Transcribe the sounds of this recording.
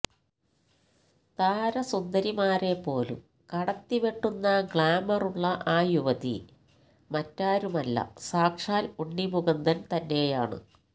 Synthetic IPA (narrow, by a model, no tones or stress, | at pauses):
t̪aːɾɐsund̪ɐɾimaːɾe̞pːo̞ːlṵm | kɐɽɐt̪ːiʋeʈːunːɐɡɭaːmɐruɭːɐʔaːjuʋɐðḭ | mɐtːaːɾumɐlːɐ̰saːkʂaːluɳːimuɡɐnd̪ɐnt̪ɐnːe̞jaːɳɨ̰